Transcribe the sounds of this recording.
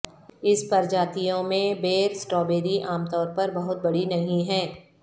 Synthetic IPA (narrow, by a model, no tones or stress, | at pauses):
ɪspɐɾd͡ʒaːt̪ijõmẽbeːɾsʈɾɔːbeːɾiʔaːmt̪ɔːɾpɐɾbɐɦʊt̪̚bɐɽinɐɦĩɦɛ̃ː